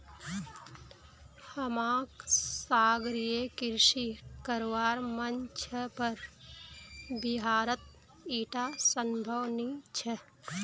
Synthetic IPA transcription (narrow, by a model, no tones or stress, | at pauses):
həmãːksaːɡɾijekɪɾʃikəɾʋaːɾmənt͡ʃʰəpəɾ | bɪɦaːɾət̪̚ | iːʈasəmbʱəwnit͡ʃʰe